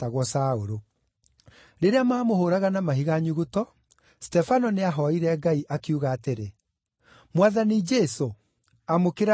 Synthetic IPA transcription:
taɣwɔsaoɾo | ɾeɾeamaːmohoɾaɣanamaɦiɣaɲuɣotɔ | stɛfanɔneaɦɔiɾɛɡaiʔakiuɣaːteɾe | mwaðanid͡ʒɛso | amokeɾa

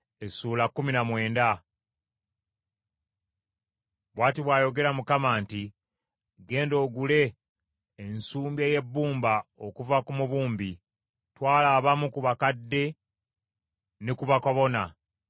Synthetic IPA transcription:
esuːlakːuminamwe̞ːnda | βwaːtiβwaːjo̞ɡe̞ɾamukamaːnti | ɡe̞ːndo̞ːɡule̞ː | nsuːmbjeːje̞bːuːmbao̞kuvakumuβuːmbi | twaːlaːβamukuβakadːe̞ | nikuβakoβo̞na

